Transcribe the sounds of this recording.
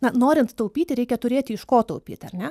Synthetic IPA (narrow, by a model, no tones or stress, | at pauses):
nɐnoːɾʲɪnt̪t̪ːɐʊpʲiːt̪ʲɪɾʲɛɪkʲɛt̪ʊɾʲeːt̪ʲɪɪʃkoːt̪ɔʊpʲḭːt̪ʲɐrʲnʲɛ